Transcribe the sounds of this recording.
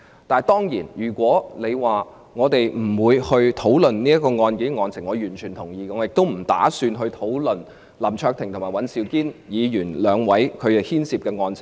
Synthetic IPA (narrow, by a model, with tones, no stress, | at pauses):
t̪aː˨˩jt̪ɔː˥ŋjiː˨˩njyː˨˩kʷɔː˨˥ne˨˧jwaː˨˩ | ŋɔː˨˧t̪e˨jm̩˨˩wuː˨˧jhɵ˧ɥt̪ʰo˨˥wlɵ˨nniː˥ɐ˥t̚kːɔː˧ŋɔː˧nke˨˥˧ŋɔː˧nt͡sʰɪ˨˩ŋɔː˨˧jyː˨˩nt͡ʃʰyː˨˩nt̪ʰʊ˨˩ŋjiː˨˧kɛ˧ŋɔː˨˧˦jɪ˨k̚t̪o˥wm̩˨˩t̪a̰ː˨˥syː˧nɦɵ˧ɥt̪ʰo˨˥wlɵ˨n | lɐ˨˩mt͡ʃʰœː˧k̚t̪ʰɪ˨˩ŋt̪ʊ˨˩maː˨˩jwɐ˨˥nsiː˧wkiː˥njiː˨˧jyː˨˩nlœː˨˧ŋwɐ˨˥jkʰɵ˨˧ɥɛ˨˧hiː˥nsiː˧p̚kɛː˧ŋɔː˧nt͡sʰɪ˨˩ŋ